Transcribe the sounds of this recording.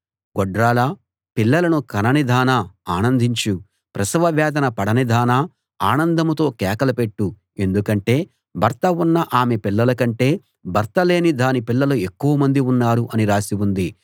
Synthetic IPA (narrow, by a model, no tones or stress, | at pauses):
ɡɔɖɾaːlɐ | pilːɐlɐnukɐnɐnid̪ʱaːnaaːnɐnd̪ʱiɲt͡ʃu | pɾɐsɐʋɐʋjɛːd̪ɐnɐpɐɽɐnid̪ʱaːna | aːnɐnd̪ʱɐmɐt̪o̞ːkɛːkɐlɐpe̞ʈːu | e̞nd̪ukɐɳʈe̞ː | bʱɐɾt̪ɐunːɐʔaːme̞pilːɐlɐkɐɳʈe̞ː | bʱɐɾt̪ɐle̞ːnid̪aːnipilːɐloekːuʋɐmɐnd̪iunːaːɾuʔɐniɾaːsiwund̪i